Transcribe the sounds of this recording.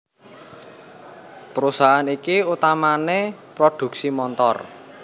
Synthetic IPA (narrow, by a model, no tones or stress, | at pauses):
pəɾusaɦanikiut̪amanepɾod̪̥ṳksimɔnt̪ɔ̰r